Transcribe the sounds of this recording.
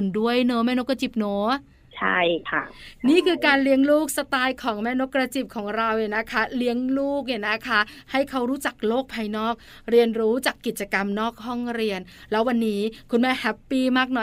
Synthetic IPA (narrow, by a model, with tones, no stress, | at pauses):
ndu˥˩əjnoː˦mɛː˥˩no˦˥ka˧t͡ɕi˨˩p̚noː˨˦ | t͡ɕʰa̰˥˩jkʰa˥˩niː˥˩kʰɯː˧kaː˧nli˦˥əŋluː˥˩k̚sa˧t̪aː˧jkʰɔː˩˦ŋmɛː˦˥no˦˥kɾa˧t͡ɕi˨˩p̚kʰɔː˩˦ŋɾa˧wʔi˨˩na˦˥kʰa˦˥li˦˥əŋluː˥˩k̚ni˧˨˩na˦˥kʰa˦˥ha˥˩jkʰa˦˥wɾuː˦˥t͡ɕa˨˩k̚loː˥˩k̚pʰaː˧jnɔː˥˩k̚ | ɾi˧ənɾuː˦˥t͡ɕaː˨˩kːi˨˩t̪̚t͡ɕa˧ka˧mnɔː˥˩k̚hɔ˥˩ŋɾi˧ən | lɛː˦˥wa˧nːiː˦˥kʰu˧nmɛː˦˥˩hɛ˦˥pːiː˥˩maː˥˩k̚nɔ˨˩